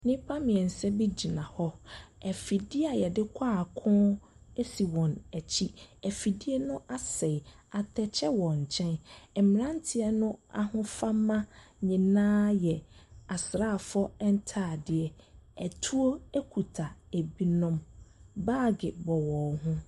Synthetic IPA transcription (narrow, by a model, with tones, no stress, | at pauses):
nɪ̃˦pʰa˦mɪ̃˨ɛ˨n̩˨sɛ˦bi˦d͡ʑi˨nã˨hɔ˦ɛ˨fi˨dɪ˦a˨jɛ˨dɪ˦kʷʰaː˦˨kʰʊ̃ː˦e˦si˨wɔ̃˨næ˨t͡ɕʰi˦æ˨fi˨dɪ˦ɛ˦nʊ̃˦ʔa˦sɛ˨a˨tʰɛ˨t͡ɕʰɛ˦wɔ̃˨ɲ̩˨t͡ɕʰɛ̃˦nɛ˨mɪ˨nã˦n˦tʰɪ˦ɛ˦nʊ̃˦a˨hʊ̃˦fa˦mːã˦ɲĩ˨nãː˦jɛ˨a˨sɾa˦˨fɔ˦ɛ˦n̩˦tʰaː˦˨dɪ˨ɛ˨æ˨tʰu˦o˦æ˦kʰu˨tʰa˨e˨bi˦nɔ̃˦mbaː˦˨ɡɪ˨bɔ˨wɔ̃˨ɦʊ̃˦